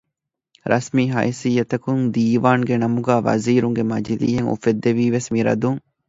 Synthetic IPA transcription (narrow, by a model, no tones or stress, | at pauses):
ɾʔɐ̰smiːɦɐ̰isijːɐt̪ɐkund̪iːʋaːŋɡenɐmuɡæːʋɐ̰ziːɾuŋɡemɐd͡ʒilḭːɦeŋṵfed̪ːeʋiːʋesmiɾɐ̰d̪uŋ